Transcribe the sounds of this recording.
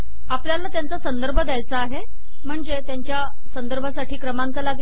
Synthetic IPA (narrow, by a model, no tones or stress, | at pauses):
apljalːat̪jant͡sasənd̪əɾbʱəd̪jajt͡saːɦe | m̤əɳd͡zet̪jaɲt͡ɕja | sənd̪əɾbʱasaʈʰiːkɾəmaŋkalaɡi